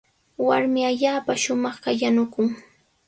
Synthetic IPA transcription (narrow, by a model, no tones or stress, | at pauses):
waɾmɪaʎaːpaʃʊmɑχkajanʊkʊŋ